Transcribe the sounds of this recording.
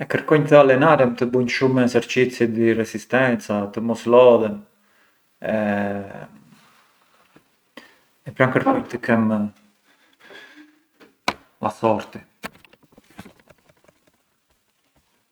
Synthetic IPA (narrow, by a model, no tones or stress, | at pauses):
ɛkəɾkɔɲt̪əalɛnaɾɛmt̪əbuɲʃumɛsəɾt͡ʃit͡sid̪irɛsist̪ɛnt͡sat̪əmɔslɔðɛm | ɛ | ɛpɾankəɾkɔjɲt̪əkɛm | a̰sɔɾt̪i